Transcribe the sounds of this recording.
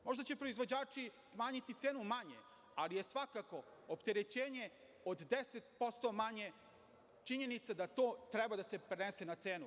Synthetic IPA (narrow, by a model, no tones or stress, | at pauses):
mo̞ʒd̪at͡ɕepɾo̞izʋod͡ʑaːt͡ʂismaːɲit̪it̪seːnumaɲe̞̰ | alije̞sʋakako̞opt̪eɾe̞t͡ɕeːɲe̞ | od̪d̪eset̪̚po̞st̪o̞maɲe̞ | t͡ʂiɲe̞nit̪sad̪at̪oːt̪ɾebad̪ase̞pɾenesenat̪seːnu